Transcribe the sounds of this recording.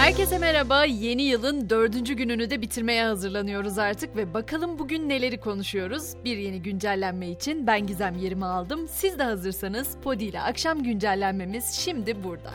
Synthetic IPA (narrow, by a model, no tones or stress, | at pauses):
hæɾce̞semeɾabaje̞nijɯlˠɯnd̪ø̞ɾd̪ynd͡ʒyɟynynyd̪ɛbit̪ʰiɾme̞jɛhazɯɾlˠanɯjo̞ɾuzaɾt̪ʰɯkvɛbakʰalˠɯmbuɟynːe̞lʲe̞ɾikʰo̞nuʃujo̞ɾuzbiɾje̞niɟynd͡ʒælʲːænmɛit͡ʃʰinbænɟizæmje̞ɾimialˠd̪ɯmsizd̪ɛɦazɯɾsanɯz̥pʰo̞d̪ijlʲɛ̰ʔakʃamɟynd͡ʒælʲːænme̞miz̥ʃimd̪ibuɾd̪a̰